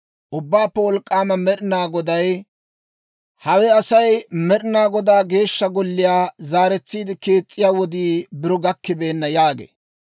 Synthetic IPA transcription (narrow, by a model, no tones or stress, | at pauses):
ʔʊbːaːpːɛwɔlkʼːaːmɐmɛɗɪnaːɡɔd̪ɐj | hɐwɛɐsɐjmɛɗɪnaːɡɔd̪aːɡe̞ːʃːɐɡɔlːɪjaːzaːɾɛt͡sːiːd̪ɪke̞ːt͡sʼːɪjaːwɔd̪iːbɪɾɔɡɐkːɪbe̞ːnːɐjaːɡḛː